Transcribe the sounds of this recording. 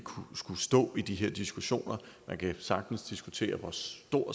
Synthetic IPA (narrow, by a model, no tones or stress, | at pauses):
kʰusɡ̥usd̥ɔ̰̽ːid̥iɦeɐ̰d̥isɡ̥uɕo̝̰ːnɐ | mʔænkʰæsɑ̈ɡ̥̚d̥n̩sd̥isɡ̥ut͡sʰe̝̰ːɐʋɒːsd̥o̝ɐ̰